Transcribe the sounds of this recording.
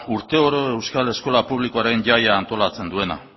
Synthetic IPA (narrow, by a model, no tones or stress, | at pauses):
uɾt̪e̞o̞ɾoe̞wskale̞sko̞lapuβ̞likoaɾe̞nʝajaːnt̪o̞lat͡se̞nd̪ue̞na̰